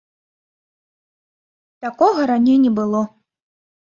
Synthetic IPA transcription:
t̪akɔɣɐɾanʲejnʲɛbɨlˠɔ

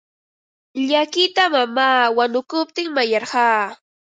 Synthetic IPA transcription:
ʎakɪt̪amamaːwanʊkʊp̚t̪ɪŋmajɑɾɢɑː

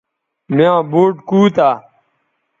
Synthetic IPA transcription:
miãːboːʈkuːt̪aː

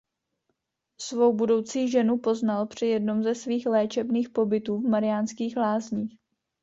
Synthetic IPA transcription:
svowbudo̞wt͡siːʒɛnupo̞znalpr̝̥ɪjɛdno̞mzɛsviːxlɛːt͡ʃɛbniːxpo̞bɪt̪uːvmaɾɪjaːnskiːxlaːzɲiːx

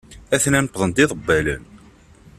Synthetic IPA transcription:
æθnænəpːðˤənt̪ɪðˤəbːælə̰n

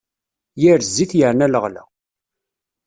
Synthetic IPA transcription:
jɪɾzːiθjəʕnæləʁlæ̰

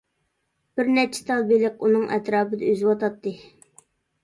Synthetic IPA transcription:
b̥ɪɾnɛt͡ʃʰɪ̥t̪ʰɑlˠbelɪq̚unɨŋʔɛ̰t̪ɾɑːpɨd̪ɛøzwɑt̪ɑt̪ːɨ

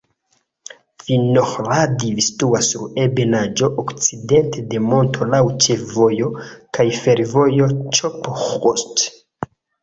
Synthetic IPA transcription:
finoχɾadivistuasuɾebe̞nad͡ʒo̞ʔokt͡side̞ntʰede̞mo̞ntʰo̞lawt͡ʃefvo̞jo̞kajfe̞ɾvo̞jo̞t͡ʃopoχost

